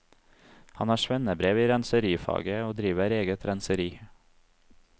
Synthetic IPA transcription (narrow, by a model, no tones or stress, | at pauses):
hɑnæːʃʋɛnəbɾeːʋiːɾɛnsəɾiːfɑ̰ːɡəoːd̪ɾiːʋəɾeːɡət̪ʰɾænsəɾiː